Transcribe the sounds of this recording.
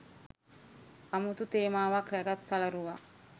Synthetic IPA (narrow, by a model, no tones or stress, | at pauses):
amut̪ut̪eːmaːʋaklɛɡat̪salɐɾuʋa